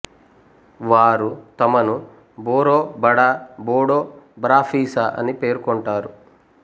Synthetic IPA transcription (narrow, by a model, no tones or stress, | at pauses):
ʋaːɾut̪ɐmɐnu | boːɾoːbɐɽaboːɽoːbɾaːpʰiːsaʔɐ̰nipe̞ːɾkɔɳʈaːɾu